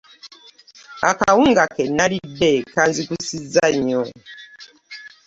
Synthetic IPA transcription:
a̰kawuŋɡakɛnalidɛkanzikusizaɲɔ

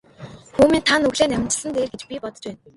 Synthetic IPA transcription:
xuːmiːnt̪ʰanɵɣɮeːnæmʲɪ̥̆t͡ɕɪ̥̆ɮə̆nt̪eːrɡet͡ɕpʲipɔt̪ɞ̆t͡ɕpæːn

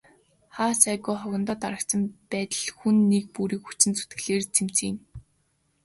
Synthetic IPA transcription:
χaːsæːɣʊːχɔɣʲɪ̆nt̪ɔːt̪aɾə̆kt͡sə̆mpæːt̪ə̆ɮxunːek̚puɾiːkxut͡ɕɪ̆nt͡su̥t̪ɡɘ̆ɮeːrt͡sʰem̥t͡sin

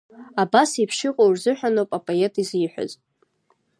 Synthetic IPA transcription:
abasipʰʃɪqʼowrzɨħʷᶣanowpʼapʼoe̞tʰiziħʷᶣa̰z

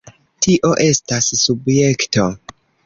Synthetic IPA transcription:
tiʔo̞ʔe̞stasːubje̞kto̞

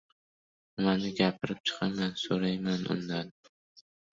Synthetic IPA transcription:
manɪɡʲapʰɪɾɪp̚t͡ʃʰɨ̥qʰɑmansoɾajmanʊ̰nd̪an

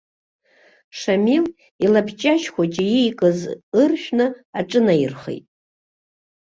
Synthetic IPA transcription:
ʂamil | ilabʰt͡ʃʼaʃkʷat͡ʃʼijijkʼɨzɨrʃᶣnɨaʈ͡ʂʼɨnajɪrχḛjtʼ

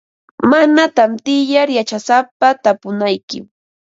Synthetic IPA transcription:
manat̪amt̪ɪjaɾjat͡ʃasapat̪apʊnajkɪ̰m

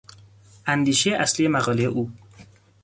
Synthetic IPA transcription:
ʔænd̪iːʃejeʔæslijemæɣɒːlejeʔuː

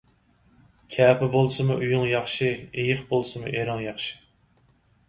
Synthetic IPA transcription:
kʲʰɛːpɪbolˠsɨmʊʔujuŋjɑχʃiejɪχbolˠsɨmʊ̰ʔeɾɨŋjɑχʃi̥

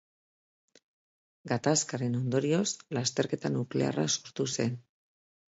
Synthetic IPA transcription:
ɡat̪askaɾe̞no̞nd̪o̞ɾio̞slast̪e̞ɾke̞t̪anukle̞a̰ra̰so̞ɾt̪use̞n

